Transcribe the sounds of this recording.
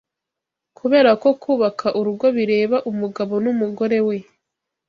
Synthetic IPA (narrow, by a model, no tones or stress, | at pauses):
kʰuβe̞ːɾako̞kʰuːβakʰaʔuɾuɡo̞βiɾe̞ːβaʔumuɡaβo̞numuɡo̞ɾe̞we̞